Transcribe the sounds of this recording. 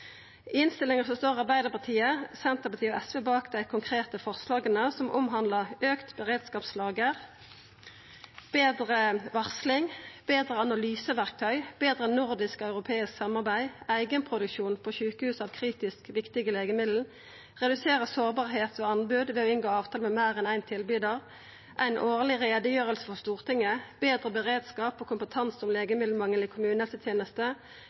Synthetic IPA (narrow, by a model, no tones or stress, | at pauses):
ɪnst̪ɪlɪŋəʁsɔst̪oːʁɑʁbæɪd̪əʁpɑt̪ʰiːəsɛnt̪əʁpɑt̪ʰiːɔɛsʋeːbɑːkd̪æɪkʰʊŋkʰʁeːt̪əfɔʁslɑːɡənəsɔmʔɔ̰mɦɑnd̪ləʁøːkt̪bəʁeːd̪skɑːpslɑːɡəʁ | b̥eːd̪ʁəʋɑʁslɪŋb̥eːd̪ʁəɑnɑlyːsəʋæʁk̚t̪ʰœʏb̥eːd̪ʁənʊʁd̪ɪskɔɑʉʁʊpʰeːɪsksɑmɑʁbæɪæɪɡənpʰʁʊd̪ʉkʃuːnpʰɔʃʉːkəhʉːsɑːʋkʰʁiːt̪ɪskʋɪkt̪ɪɡəleːɡəmɪd̪l̩ | ʁɛd̪ʉseːʁəsoːʁbɑːʁɦeːt̪oːɑnbʉd̪ʋɛːɔɪnɡoːɑːʋt̪ʰɑːlmɛmæɪʁɛnæɪnt̪ʰɪlbyːd̪əʁ | ʔæ̰ɪnʔoːʁlɪʁeːd̪əjøːʁəlsə̥fɔʁst̪uːʁt̪ʰɪŋːəb̥eːd̪ʁəbəʁeːd̪skɑːpokʰʊmpət̪ʰɑnsɔmleːɡəmɪd̪l̩mɑŋːənlɪkʰʊmʉːnəsət̪ʰjeːnəst̪ə